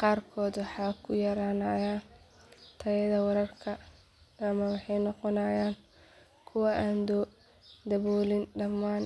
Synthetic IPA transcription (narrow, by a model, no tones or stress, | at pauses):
qɑːrkʰɔːd̪wɑħɑːkʰʊjɐɾaːnɐjaːn | t̪ʰɐjɐðɐwɐɾɐrkʰɐː | mɐwɑħɑjnɔqɔnɐːjaːŋ | kʰʊwɐʔaːnd̪ɔ | d̪ɐβɔːlɪnɖɐmːaːn